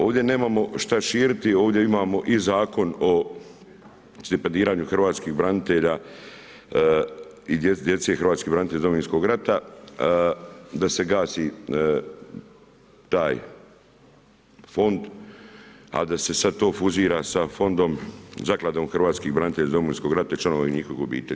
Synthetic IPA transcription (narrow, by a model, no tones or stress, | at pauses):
o̞ːʋd̪je̞ne̞ːmaːmo̞ʃt̪aʃiːɾit̪io̞ːʋd̪je̞imaːmo̞ʔizaːko̞no̞ | st̪ipend̪iːɾaːɲuxr̩ʋaːt̪skiːxbɾanit̪eʎaː | id̪jed̪je̞t̪se̞ːxrɾʋaːt̪skibɾanit̪eʎazd̪omoinsko̞ɡɾat̪a | d̪ase̞ɡaːsi | t̪aːj | fo̞nd̪ | a̰d̪ase̞sad̪̚t̪o̞ːfuziːɾaːsafo̞nd̪o̞mzaklˠad̪oːmxrʋaːt̪skiːɣbɾanit̪eʎazd̪omoinsko̞ɡɾat̪ait͡ʃlanoʋainikoiɡobḭːt̪ḛʎa